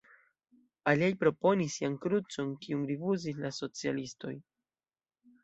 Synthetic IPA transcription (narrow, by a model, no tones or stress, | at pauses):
aliajpɾo̞po̞nisːiankɾut͡so̞nkiunɾivuzis̬laso̞t͡sialisto̞̰j